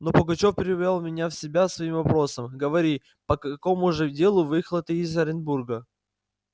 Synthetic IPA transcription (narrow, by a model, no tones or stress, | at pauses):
no̞pəɡɐt͡ɕo̞fpʲɪɾʲɪvʲalˠmʲɪnʲafsʲɪbʲasvɐimvɐpɾo̞səmɡəvɐɾʲi | pəkɐko̞mʊʐɨdʲe̞lˠʊvɨxlˠət̪ɨːzɐɾʲɪnburɡə